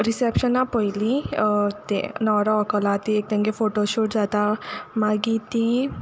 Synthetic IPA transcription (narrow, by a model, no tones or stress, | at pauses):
ɾisepʃənapəilit̪ḛnɔːɾaɔkəlat̪iek̚t̪ẽŋɡefoːʈoʃoːʈd͡ʒaːt̪amaɡit̪i